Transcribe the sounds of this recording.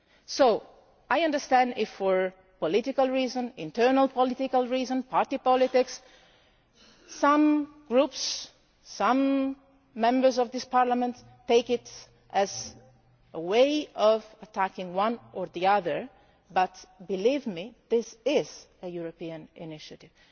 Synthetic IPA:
soʊ | ajʌ̃ndə˞stæ̃ndɪfɔɹ | pɔlɪtɪkalˠɹizə̃nɪ̰̃ntʰɜ˞nalˠpɔlɪtɪkalˠɹizə̃npʰaɹtipɔlɪtɪks | ʌ̃mɡ̥ɹupsː | ʌ̃mː | ɛ̃mbə˞zɔvðɪspɑɹlamə̃ntː | eɪkɪt | ʔɨz | əweɪɔvətʰækɪ̃ŋwʌ̃nə˞ðiʌðə˞ | bʌtbɨlivmiðɪsɪz | əjuɹopiə̃nɪnɪʃɨtɪv̥

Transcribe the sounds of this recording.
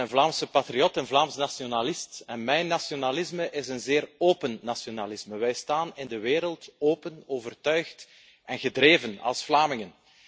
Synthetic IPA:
ənvlaːmsəpatriɔtɛnvlaːmsənasionalɪstɛnmɛjnːasionalɪzməʔɪzənzeːroːpənːasionalɪsməʋɛjstaːnɪndəʋeːɾəlˠtoːpənoːvərtœɥxt | ɛnɣədreːvənɑ̰lˠsflaːmɪŋən

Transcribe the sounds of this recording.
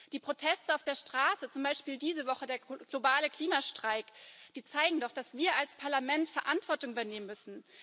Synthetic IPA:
d̥iːpʁ̥otʰɛstəaʊfd̥eːɐʃtʁ̥aːsət͡sʊmbaɪʃpiːldiːzəvɔχədeːɐɡ̥lobaːləkl̥iːmaʃtʁ̥aɪkd̥iːt͡saɪɡŋ̩dɔχd̥asv̥iːɐʔalspʰaɐlamɛntfɛɐʔantv̥ɔɐtʊŋʔyːbɐneːmənmʏsn̩

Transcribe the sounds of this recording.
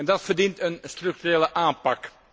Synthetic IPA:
ɛndɑtfərdintənstrɵk̚tyreːləʔaːnpɑk

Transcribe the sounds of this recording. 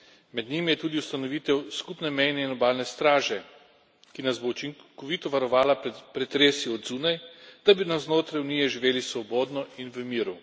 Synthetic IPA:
mɛd̪ɲimijɛt̪uːd̪iust̪anɔʋiːt̪ɛwskupnɛmɛjnɛinɔbaːlnɛst̪ɾaːʒɛ | kinazbout͡ʃiŋkɔʋiːt̪ɔʋaɾɔʋaːlapɾɛt̪ɾeːsiɔd̪zuːnajd̪̥abinaznoːt̪ɾajuniːjɛʒiʋeːlisʋɔboːd̪nɔinʋəmiːɾu

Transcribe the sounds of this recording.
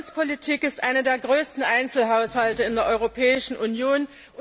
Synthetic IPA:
t͡spʰolitʰiːkɪstʔaɪnədeːɐɡʁøːstn̩ʔaɪnt͡sl̩ɦaʊshaltəɪndeːɐʔɔʏʁopʰɛːɪʃn̩ʔunjoːn

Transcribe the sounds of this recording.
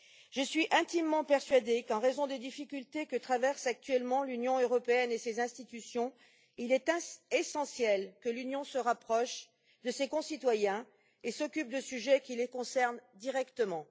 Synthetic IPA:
ʒəsɥiʔɛ̃t̪imːɑ̃pɛʁsɥad̪ekɑ̃ʁezɔ̃d̪ed̪ifikʲylt̪ekət̪χavɛʁsak̚t̪ɥɛlmɑ̃lynjɔ̃øʁɔpeɛnesezɛ̃st̪it̪ysjɔ̃ | ilɛt̪ɛesɑ̃sjɛlkəlynjɔ̃səʁapχɔʃ | d̪əsekɔ̃sit̪wajɛ̃ | esɔkʲyp̚d̪əsyʒɛkʲilekɔ̃sɛʁnd̪iʁɛkt̪əmɑ̃

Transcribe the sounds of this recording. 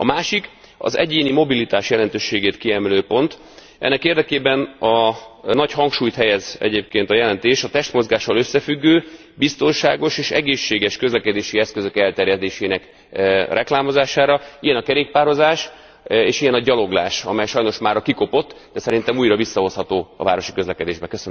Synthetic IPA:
ɒ̰maːʃik | ɒ̰zɛ̰ɟeːnimo̞bilit̪aːʃjɛlɛnt̪øːʃːeːɡeːt̪kiɛmɛløːpo̞nt̪ | ʔɛ̰nːɛkeːrd̪ɛkeːbɛnɒnɒchɒŋkʃuːjt̪hɛjɛzɛ̰ɟeːp̚keːnt̪ɒjɛlɛnt̪eːʃɒt̪ɛʃt̪mo̞zɡaːʃɒlø̞sːɛfyɡːøː | bist̪o̞nʃaːɡo̞ʃeːʃɛɡeːʃːeːɡɛʃkø̞zlɛkɛd̪eːʃiɛskøzø̞kɛlt̪ɛɾjɛd̪eːʃeːnɛk | rʔɛklaːmo̞zaːʃaːɾɒijɛnɒkɛɾeːk̚paːɾo̞zaːʃ | eːʃijɛnɒɟɒlo̞ɡla̰ːʃɒmɛjʃɒjno̞ʃmaːɾɒkiko̞po̞t̪ː | d̪ɛsɛɾint̪ɛmuːjɾɒvisːɒɦo̞shɒt̪oːɒ̰va̰ːɾo̞ʃi̥køzlɛkɛd̪eːʒbɛkøsøn

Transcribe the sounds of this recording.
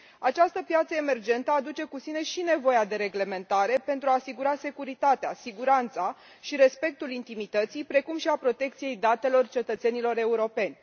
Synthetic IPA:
at͡ʃast̪əpjat̪səe̞me̞rd͡ʒe̞nt̪əad̪ut͡ʃe̞kusine̞ʃine̞vo̞jad̪e̞ɾe̞ɡle̞me̞nt̪aɾe̞pe̞nt̪ɾuaːsiɡuɾase̞kuɾit̪at̪ea̰siɡuɾant̪sa | ʃiɾe̞spe̞k̚t̪ulint̪imit̪ət̪sijpɾe̞kumʃiapɾo̞t̪e̞k̚t̪sije̞jd̪at̪e̞lo̞rt͡ʃe̞t̪ət̪se̞nilo̞ɾe̞uɾo̞pe̞nʲ

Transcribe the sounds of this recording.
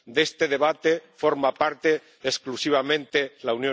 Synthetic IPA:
d̪e̞st̪e̞ðe̞βat̪e̞fo̞ɾmapaɾt̪e̞ː | sklusiβ̞amẽ̞nt̪e̞launjo

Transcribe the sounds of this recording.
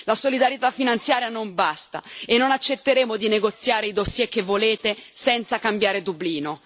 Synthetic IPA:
lasolid̪aɾjet̪afːinant̪sjaːɾjanombast̪a̰enːonat͡ʃːet̪ːeɾeːmod̪ineɡot̪sːjaːɾeid̪osjɛk̟ːevːoleːt̪esɛnt̪sakambjaːɾed̪ubliːno

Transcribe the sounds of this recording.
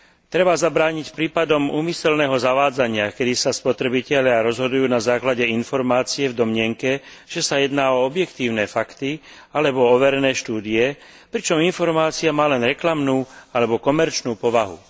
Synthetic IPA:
t̪ɾɛbazabɾaːɲicpɾiːpad̪ɔmuːmisɛlnɛːɦɔzaʋaːd͡zaɲɪakɛd̪isaspɔt̪ɾɛbicɛʎɪaɾɔzɦɔd̪ujuːnazaːklaɟɛinfɔɾmaːt͡siɛvd̪ɔmɲɪɛŋkɛ | ʒ̥ɛsajɛd̪naːɔɔbjɛkt̪iːʊnɛːfakt̪i | alɛbɔɔʋɛɾɛnɛːʃt̪uːd̪iɛ | pɾit͡ʃɔminfɔɾmaːt͡siamaːlɛnɾɛklamnuːalɛbɔkɔmɛɾt͡ʃnuːpɔʋaɦṵ

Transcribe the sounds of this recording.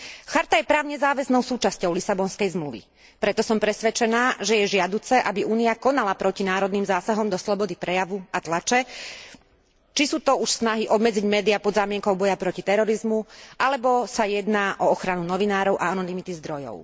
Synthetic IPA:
xaɾt̪ajɛpɾaːʊɲɛzaːʋɛznɔʊsuːt͡ʃascɔʊlisabɔnskɛjzmluʋḭ | pɾɛt̪ɔsɔmpɾɛsʋɛt͡ʃɛnaːʒɛjɛʒɪad̪uːt͡sɛʔabiuːniakɔnalapɾɔcinaːɾɔd̪niːmzaːsaɦɔmd̪ɔslɔbɔd̪ipɾɛjaʋuat̪lat͡ʃɛ | t͡ʃisuːt̪ɔuʃsnaɦiʔɔbmɛd͡ziɟmɛːd̪iapɔd̪zaːmɪɛŋkɔʊbɔjapɾɔcit̪ɛɾɔɾizmuʔalɛbɔsajɛd̪naːʔɔɔxɾanunɔʋinaːɾɔʊʔaanɔnimit̪izd̪ɾɔjɔ̰ʊ

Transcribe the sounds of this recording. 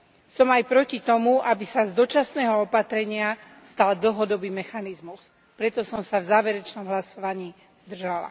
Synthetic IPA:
sɔmajpɾɔcit̪ɔmuʔabisazd̪ɔt͡ʃasnɛːɦɔɔpat̪ɾɛɲɪa | st̪ald̪l̩ɦɔd̪ɔbiːmɛxanizmus | pɾɛt̪ɔsɔmsavzaːʋɛɾɛt͡ʃnɔmɦlasɔʋaɲiː | zd̪r̩ʒala̰

